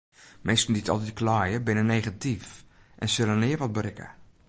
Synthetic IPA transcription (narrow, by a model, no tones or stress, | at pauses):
mʔestn̩ditʰɔ̰lˠtitkʰlɔːjəbɪnəneːɣatif | ʔɛnsɪlənɪːərʋɔt̚brɪkə̰